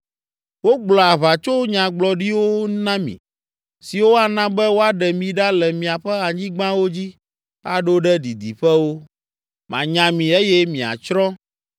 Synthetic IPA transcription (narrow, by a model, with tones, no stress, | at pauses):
wo˦ɡ͡blɔ˨a˨βa˨t͡ʃo˦ɲã˨ɡ͡blɔ˨ɖi˦wo˦nã˦mḭ̃˨ | si˨wo˦a˨nã˦bɛ˦wo˦a˦ɖɛ˨mĩ˨ɖa˦lɛ˨mĩ˨a˨ɸɛ˦a˨ɲĩ˦ɡ͡bã˦wo˦d͡ʑi˦ | a̰˨ɖo˦ɖɛ˦ɖi˨d̪i˨ɸɛ˦wo˦ | mã̰˨ɲã˨mĩ˨e˦jɛ˦mĩ˨a̰˨t͡ʃɾɔ̃˦